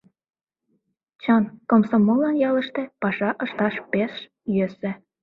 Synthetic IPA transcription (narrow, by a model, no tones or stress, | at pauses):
t͡ɕənkomsomolːɑnjɑləʃt̪ĕpɑʃɑʔəʃt̪ɑʃpeʃ | jøsĕ